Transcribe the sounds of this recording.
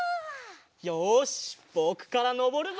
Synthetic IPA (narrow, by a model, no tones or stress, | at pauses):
joɕb̥oːkɯ̟̥kaɾano̞bo̞ɾɯ̟n